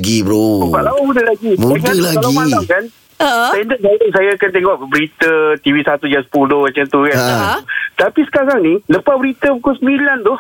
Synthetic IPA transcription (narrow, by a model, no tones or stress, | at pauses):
ɡibɾokalabudahlaɡibueŋdalakalamasaŋkan | andəʔsajəʔsajakant̪eŋɔʔbəɾit̪ət̪iwisat̪ud͡ʒaspulomat͡ʃamt̪ukaat̪apisə̥kaɾaŋniləpabəɾit̪əbukonsəmilant̪u